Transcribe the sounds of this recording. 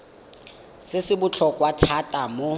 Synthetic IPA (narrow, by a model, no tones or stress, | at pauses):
sɪsɪbʊt͡ɬʰɔkʼwatʰatʼamʊ